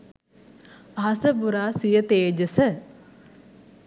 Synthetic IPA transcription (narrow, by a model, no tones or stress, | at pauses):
aɦɐsəbuɾaːsijət̪eːd͡ʒəsə